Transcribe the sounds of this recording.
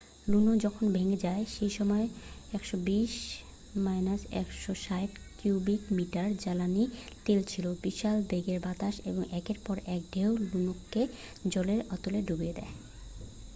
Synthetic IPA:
lunod͡ʑɔkʰonbʱeŋed͡ʑaeʃejʃɔmɔeɛkʃɔbiʃ | majnasɛ̰kʃoʃajʈ | kjubikmiʈaɾd͡ʑalanit̪elt͡ɕʰilobiʃalb̪eɡeɾbat̪aʃeboŋʔɛkeɾpɔɾɛk̚ɖʱewlunoke | d͡ʑɔleɾɔt̪oleɖʱubied̪ɛ̰e

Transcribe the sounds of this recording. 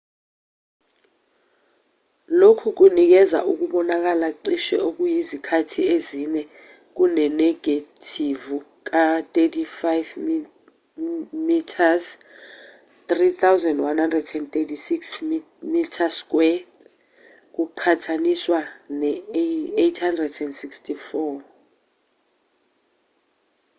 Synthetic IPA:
lokʰuk̬unik̬ɛza̰ʔuk̬uɓɔnak̬alaǀiʃɛ̰ʔok̬ujizikʰatʰiezinɛ | k̬unɛnɛɡ̥atʰivu | k̬at̪ʼetʰifajv | mitʰaz | t̪rit̪ʰawzɛndwanhandrɛdɛnt̪etʰisiks | mitʰask̬ʼwɛ | k̬uǃʰatʰaniswanɛejtʰhandrɛdɛndsikstʰifɔ

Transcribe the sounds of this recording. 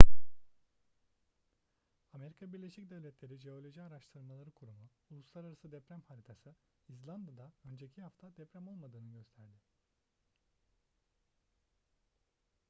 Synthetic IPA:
ame̞ɾikʰabiɾlʲe̞ʃicd̪ɛvlʲɛt̪ʰlʲe̞ɾid͡ʒeo̞lʲoʒiaɾaʃt̪ʰɯɾmalˠaɾɯkʰuɾumuulˠuslˠaɾaɾasɯd̪ɛpɾæmhaɾit̪ʰasɯ | izlʲˠand̪ad̪aø̞nd͡ʒecʰihaft̪ʰad̪ɛpɾæmo̞lˠmad̪ɯːnɯɟø̞st̪ʰæɾd̪ɪ

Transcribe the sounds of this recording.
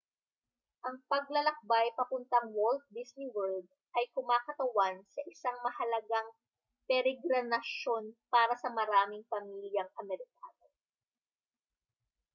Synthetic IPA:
ʔɐŋpɐɡ̚lɐlɐk̚bajpɐpʊnt̪ɐŋwolt̪̚d̪isniwɛɹd̪̚ | ʔɐjkʊmaːkɐt̪ɐwansɐʔɪsaŋmɐhɐlɐɡaŋ | pɛɾɛɡɾɐnɐʃo̞npaːɾɐsɐmɐɾaːmɪŋpɐmiljɐŋʔɐmɛɾɪkaːno̞

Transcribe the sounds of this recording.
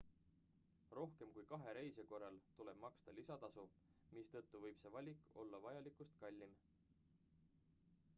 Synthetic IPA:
ro̞hke̞mkujkɑɦe̞ɾe̞jse̞ko̞rːɑlt̪ule̞b̥mɑkst̪ɑlisɑt̪ɑsu | mist̪ɤ̞t̪ːuvɤjb̥se̞vɑlʲikːˑo̞lːɑvɑjɑlikust̪kɑlʲːim

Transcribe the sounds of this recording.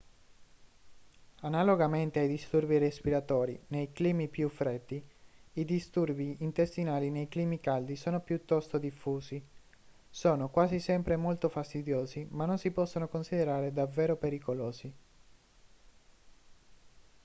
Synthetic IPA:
analoɡament̪eajd̪ist̪urbirespiɾat̪ɔːɾḭnejkliːmipjufːɾɛd̪ːiːd̪ist̪urbiint̪est̪inaːlinejkliːmikald̪isoːnopjut̪ːɔst̪od̪ifːuːzi | soːnokwaːzisɛmpɾemolt̪ofast̪id̪joːzimanːonsipɔsːonokonsid̪eɾaːɾed̪avːeːɾopeɾikoloːzi

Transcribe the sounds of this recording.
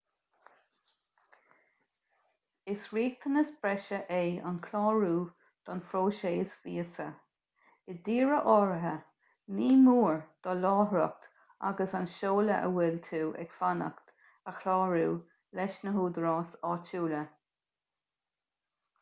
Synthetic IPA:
ɪsɹiːk̚t̪ʰənəsbɹɛʃəʔeːa̰nkʰlɔːɹuː | d̪̥ɔnfɾoːʃeːsviːəsə | ɪd̪iːɹəʔɔːɹəɦə | niːmuːɹd̪̥ɔlɔːɦɾɔ̰k̚t̪ | a̰ɡəsanʃoːləʔə̰wɪlt̪ʰuːʔɛ̰ɡfanə̰kt̪ | əxʰlɑːɹuː | lɛʃnəɦuːd̪əɾɔːsɑːt͡ʃʰuːlə

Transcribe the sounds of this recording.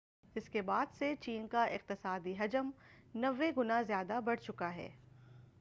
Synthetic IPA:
ɪskebaːd̪set͡ʃiːnkaʔɪq̚t̪ɪsaːd̪iɦɐd͡ʒəmnɐʋːeɡʊnazjaːd̪abɐɽt͡ʃʊkaɦɛ̰ː

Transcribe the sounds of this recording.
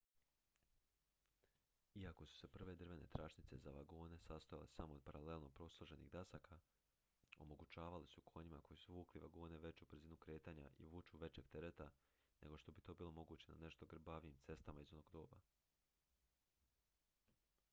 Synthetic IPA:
iako̞su̥se̞pr̩ʋe̞d̪r̩ʋe̞ne̞̰t̪ɾat͡ʃnit̪se̞za̰ʋaɡoːne̞sast̪oja̰lḛsamoːd̪̚paɾale̞lˠno̞pɾo̞slˠoʒe̞nḭɣd̪asakʰa | o̞̰mo̞ɡut͡ɕaːʋalisukʰo̞ɲimakojisuʋuːkliʋa̰ɡoːne̞ʋe̞t͡ɕubr̩ziːnukɾe̞ːt̪aɲa̰ʔḭʋuːt͡ʃuʋe̞t͡ɕe̞ɡ̥̚t̪e̞ɾet̪a | ne̞ɡo̞ʃt̪o̞bit̪o̞ːbiːlo̞mo̞ɡuːt͡ɕe̞na̰ne̞ʃt̪o̞ɡr̩baʋijimt̪se̞st̪amaizo̞no̞ɡd̪o̞ːba

